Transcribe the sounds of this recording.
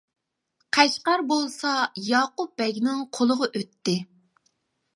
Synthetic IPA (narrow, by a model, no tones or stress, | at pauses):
qʰæʃqɑɾbolˠsɑjɑːqʊp̚b̥ɛɡʲnɪŋqʰolˠʊʁəʔøt̪ːɪ